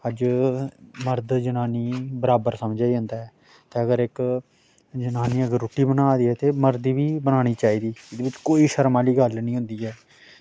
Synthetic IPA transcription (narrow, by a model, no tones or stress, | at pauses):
əd͡ʒ | məɾd̪d͡ʒənaːniːbəɾaːbəɾsəmd͡ʒaːiːɦʊ̃nd̪aːɦɛː | t̪eːəɡəɾɪk | d͡ʒənaːniːəɡəɾːuːʈiːbənaːd̪iːɛːt̪eːməɾd̪iːʋiːbənaːɽ̃iːt͡ʃaːiːd̪iːɪd̪eːbɪt͡ʃkoːiːʃəɾmaːliːɡəlnĩːɦʊ̃nd̪iːɦɛː